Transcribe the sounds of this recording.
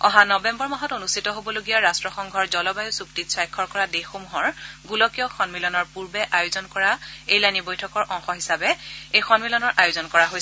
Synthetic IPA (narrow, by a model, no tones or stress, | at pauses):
ɔ̃ɦãnɔbɛmbɔɹmaɦɔtonustʰitɔɦobɔloɡijaɹastɹɔxɔŋɡʱɔɹzɔlɔbajusuktitsajkʰːɔɹkɔɹadexomuɦɔɹɡulɔkijɔxʰɔnmilɔnɔɹpuɹbɛʔajʊzɔnkɔɹaejlajnibojtʰɔkɔɹʔɔ̃ŋxɔɦisabɛejxɔnmilɔnɔɹʔajʊzɔnkɔɹaɦoj